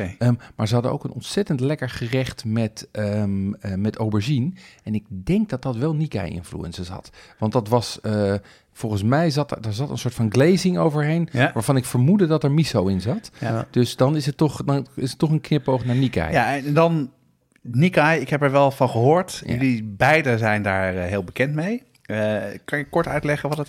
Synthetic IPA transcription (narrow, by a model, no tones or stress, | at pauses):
maːɹzəɦɑdəno̰wkənɔntsɛtəntlɛkəɹχərɛχtmɛtəmmɛtowbəɹʒinɛnɪɡ̚dɛŋk̚dɑt̚dɑtʋɛlˠnika̰jɪ̰nflṵɛ̰nsəsɦɑ̰tʋɑntdɑtʋɑsə | fɔlˠχənsmɛjzɑtdaɹzɑtə̰nsoːɹtfɑnɡlejzɪŋo̰wvəɹɦejnʋaːɹvɑnɪkfəɹmudədɑtɛɹmisowɪnzɑtd̥øsdɑnɪsətːɔχdɑnɪsətːɔχənknɪpowχnaːɹnikjjanndɑn | nikajɪkɦɛpɛɹʋɛlˠfɑnχəɦoːɹtjəlibɛjdəzɛjndaːɹɦɪːlˠbəkɛntmej | kɑnjəkɔɹtœ̰ɥtlɛχəʋɑtt